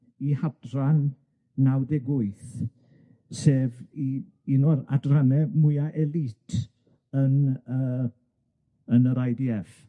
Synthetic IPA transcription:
ihabranː | awdɛɡʊɨθ | seːvi | inɔɾa̰dranɛmʊjaʔɛlˠitʰ | ənəː | ənəɾajdiɛf

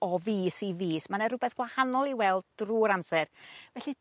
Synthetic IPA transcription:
ɔviːsiviːsmanaɾʊbɛθɡ̥wahanɔlˠiwɛlˠd̚d̥ruːɾamsɛrvɛɬi

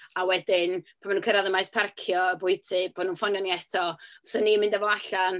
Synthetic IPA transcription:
awɛdɪnpʰamanuːnkʰəɾaðəmajspʰarkʰjɔəbʊjtʰɨb̥oːdnuːnfɔnjɔniɛtʰɔsənimɪ̃ndɛvɔlˠaɬan

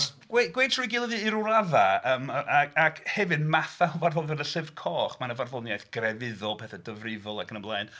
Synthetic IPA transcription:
sɡ̥weɡwejtʰrujɡilˠəðɨːɾʊɾavaəːmʔaakʰhɛvɨnmaθavarvɔðɛnəsɪvkʰɔːχmanəvarvɔnjajθɡ̥rɛvɪðɔlˠpʰɛːθɛdəvrɪvɔlˠakənəmblˠaɨn

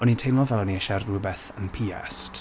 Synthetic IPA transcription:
ɔnintʰejnmɔvɛlˠɔniəʃarubɛθənpʰiɛ̰st

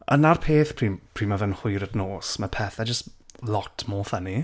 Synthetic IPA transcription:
ənarpʰeːθpʰr̥iːpʰr̥iːmavɛnhʊjɾədnoːsmapʰɛθɛd͡ʒəstlɔtʰmoːθəni

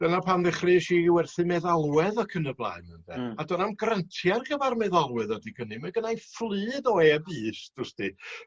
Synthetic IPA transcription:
d̥ənapʰanðɪχrɨʃiwɛrθɨmɛðalˠwɛðɔkʰənəblˠa̰ɨməndɛ̰adɔnamɡrəntʰjarɡəvarmɛðalˠwɛðɔdiɡənɨmaɡənajflˠɨːdɔjabɨːsd̥ʊsd̥i

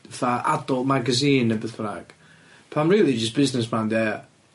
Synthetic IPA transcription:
θaʔa̰dɔlˠmaɡəziːnəbəθpnaɡ̥ | pʰamɹiːlˠid͡ʒəsb̥ɪznɪs̬manðɛ

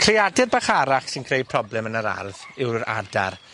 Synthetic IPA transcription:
kʰr̥ɪadɪrbaχaɾaχsɪnkʰrej̚pʰrɔblɛmənəɾa̰rðɪwra̰dar

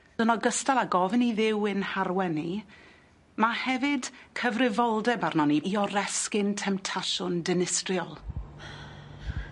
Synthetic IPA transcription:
d̥ənɔɡəstalˠaɡɔvniðɪwɪnharwɛni | mahɛvɪdkʰəvrɪvɔlˠdɛbarnɔniiɔɾɛskɪntʰɛmtʰaʃʊndɪnɪstrjɔlˠ

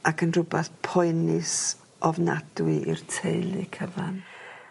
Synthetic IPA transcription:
akʰənrʊbɛθpʰɔɨnɪs | ɔvna̰d̥wɪʔirtʰejlˠḭkʰəva̰n

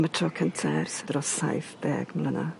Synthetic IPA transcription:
mətʰrɔkʰəntʰɛrsədrɔsa̰jfb̥ɛ̰ːɡ̥mlˠəna̰

